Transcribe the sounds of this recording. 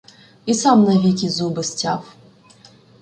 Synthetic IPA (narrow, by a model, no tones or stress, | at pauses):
isamnɐvʲikʲizubɨsʲtʲaf